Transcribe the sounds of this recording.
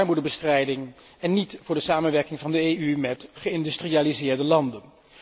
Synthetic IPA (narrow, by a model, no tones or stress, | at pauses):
ɹmudəbəstrɛjdɪŋɛnːitvʊːɹdəsaːmənʋɛɹkɪŋvɑndəeymɛtχəɪndystriaːlizɪːɹdəlɑndən